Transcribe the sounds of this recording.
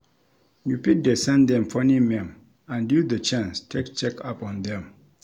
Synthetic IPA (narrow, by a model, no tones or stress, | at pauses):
jupit̚dɛsɛ̃nd̪ɛ̃mfɔ̃nimɛ̃m | ãndudət͡ʃãnstʰekt͡ʃɛkapɔ̃ndɛ̃m